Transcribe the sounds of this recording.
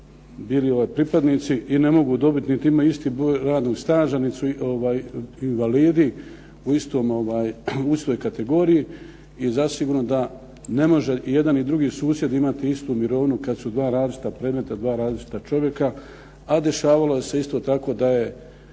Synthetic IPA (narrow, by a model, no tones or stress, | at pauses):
biːlio̞ʋaːjpɾipad̪niːt̪siʔine̞mo̞ɡuːd̪o̞bit̪nit̪iimaist̪iːbɾoːjɾaːd̪noɡst̪aːʒanit̪suʔo̞ʋaːjinʋaliːd̪i | uist̪o̞ːmo̞ʋaːjuist̪ojkat̪e̞ɡo̞ːɾiji | izasiɡuːɾno̞d̪a | ne̞mo̞ʒe̞ʔije̞d̪anid̪ɾuɡiːsuːsje̞d̪imat̪iist̪umiɾo̞ːʋnukad̪sud̪ʋaːɾaːzlit͡ʃi̥t̪apɾed̪me̞t̪ad̪ʋaːɾaːzlit͡ʃi̥t̪at͡ʃo̞ʋje̞ka | ad̪e̞ʃaːʋalo̞je̞se̞ist̪o̞ːt̪ako̞ːd̪aje̞